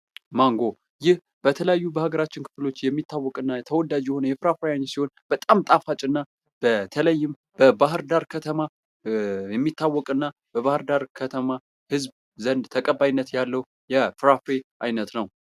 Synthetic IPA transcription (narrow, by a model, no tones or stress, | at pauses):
maŋɡo̞ | jɪh | b̥ət̪ʰələjajːubəhaɡəɾat͡ʃːɪnkʰɨ̥flo̞t͡ʃːjɛmːit̪ʰːawːɔkʼɨnːat̪ʰəwɔd̪ad͡ʒjɛho̞nəjɛfɨɾafejaɲːsiho̞nb̥ət̪ʼamt̪ʼafat͡ʃʼɨnːa | b̥ət̪ʰələjːɪm | b̥əbaɦɨɾd̪aɾkʰət̪ʰəma | jɛmːit̪ːawːɔkʼɨnːa | b̥əβahɨɾd̪aɾkʰət̪ʰəma | hɨzb | zənd̪t̪ʰəkʼəbajnːət̪jalːəw | jɛfɾafeʔajnət̪nəw